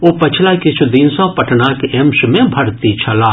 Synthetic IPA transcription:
opɐt͡ʃʰlakɪt͡ʃʰud̪ɪnsɔ̃pɐʈʰnakeʔemʃmẽbʱɐɽt̪it͡ʃʰɐlaː

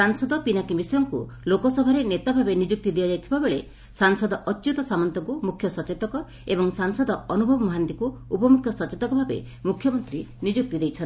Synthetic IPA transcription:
saŋsɔd̪ɔpinakimisɔɾɔŋkulokɔsɔbʱaɾenet̪abʱabenid͡ʒuk̚t̪id̪ijad͡ʒajt̪ʰibabeɭe | saŋsɔd̪ɔʔɔtːt͡ʃut̪ɔsamɔnt̪ɔŋkumukʰjɔsɔt͡ʃet̪ɔkɔ | ebɔŋsaŋsɔd̪ɔɔnubʱɔbɔmɔɦant̪ikuupɔmukʰjɔsɔt͡ʃet̪ɔkɔbʱabḛ | mukʰjɔmɔnt̪ɾinid͡ʒuk̚t̪id̪ejt͡ʃʰɔn

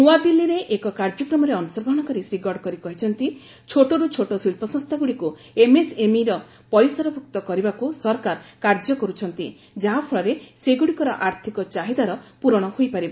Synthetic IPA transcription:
nuad̪ilːiɾeʔekɔkaɾd͡ʒɔkɾɔmɔɾeɔnusɔɾɡʱɽ̃ɔkɔɾisɾiɡɔɾɖkɔɾikɔɦit͡ʃʰɔnt̪i | t͡ʃʰoʈoɾut͡ʃʰoʈosilpɔsɔ̃ŋst̪ʰaɡuɽiku | emesemiɾɔ | pɔɾisɔɾɔbʱuk̚t̪ɔkɔɾibakusɔɾkaɾkaɾd͡ʒɔkɔɾut͡ʃʰɔnt̪i | d͡ʒaɦapʰɔɭɔɾeseɡuɽikɔɾɔʔaɾt̪ʰikɔt͡ʃaɦid̪aɾɔpuɾɔɽ̃ɔhojpaɾiba

